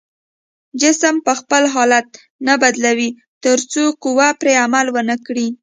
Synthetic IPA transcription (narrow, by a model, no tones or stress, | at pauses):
d͡ʒɪsəmpəxpəlɦɑlat̪̚ | nabad̪lawi | t̪əɾt͡soqʊwapɾeamalwənəkɽi